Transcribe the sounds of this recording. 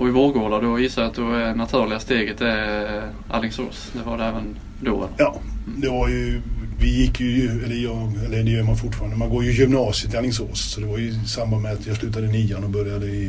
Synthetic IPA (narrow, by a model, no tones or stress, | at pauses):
ɔɪvoːɡoːɖ̪adɔjɪsːajat̪̚d̪ɔɛnat̪ʰʉ̟ːɾlɪast̪eːɡət̪ɛ | ʔa̰lɪŋso̰ːsd̪ɛvaɖɛɛːvən | d̪o̰ːə̰njɑːd̪ɛvaɾjɵvɪjɪkːjɵjɛlːəjɑːɡɛlːəd̪ɛjœːɾmanfʊʈːfɑːɾand̪əmanɡoːɾjəjʏmnɑːsɪət̪ʰːɪalɪŋs̬oːssɔd̪ɛvaɾjɵɪsambanmɛat̪jɑːɡslʉ̟ːt̪ad̪əɪniːanɔbœɾjad̪əɪ